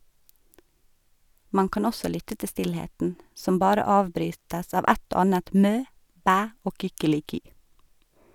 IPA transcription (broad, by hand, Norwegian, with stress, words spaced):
ˈmɑn ˈkɑːn ˈɔsɔ ˈlʏtə ˈtɪ ˈstɪlheːtn ˈsɔm ˈbɑːɾə ˈɑːʋˌbɾyːtəs ˈɑːʋ ˈɛt ˈoː ˈɑːnət ˈmøː ˈbæː ˈoː kʏkəlɪˈkyː